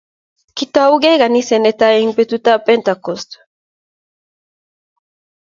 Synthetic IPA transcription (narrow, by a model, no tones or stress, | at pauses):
kit̪oawɡeɣanisenet̪aeiŋpet̪ut̪apent̪akost̪